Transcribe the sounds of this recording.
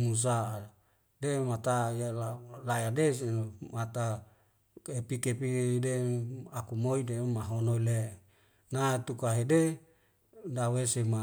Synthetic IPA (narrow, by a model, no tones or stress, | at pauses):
mus̬a | demat̪ajalalajadesemat̪a | epikepideakumoidemaɦonoile | nat̪ukaɦede | dawesema